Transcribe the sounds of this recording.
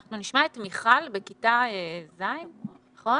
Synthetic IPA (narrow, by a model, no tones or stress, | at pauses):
aχnuniʃmaetmiχalbe̞kitaezaimaχo̞